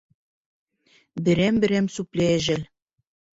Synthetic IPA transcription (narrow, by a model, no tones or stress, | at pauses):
bɘ̆ɾembɘ̆ɾemsupleeʒɘ̆l